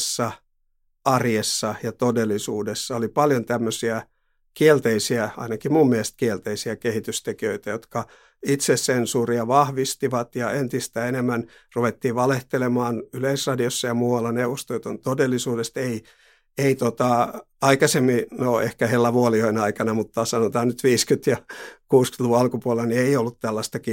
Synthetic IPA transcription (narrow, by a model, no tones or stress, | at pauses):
sːɑ | ɑrjesːɑjɑt̪odelːisuːdesːɑolipɑljont̪æmːøsiæ | kielt̪eisiæɑ̰inɑkimumːmiest̪̚kielt̪eisiækehit̪yst̪ekiøit̪æjot̪kɑ | it̪sessensuːriɑʋɑhʋist̪iʋɑt̪jɑent̪ist̪æenemːænruʋet̪ːiːʋɑleht̪elemɑːnyleisrɑdiosːɑjɑmuːʋɑlːɑneuʋost̪ojot̪ont̪odelːisuːdest̪ei | eit̪ot̪ɑ | ɑikɑsemːinoḛhkæhelːæʋuolioinɑikɑnɑmut̪ːɑsɑnot̪ɑːnnyt̪ʋiːskyt̪jɑkuːskyt̪luuɑlkupuolelɑnieiolːut̪t̪ælːɑst̪ɑki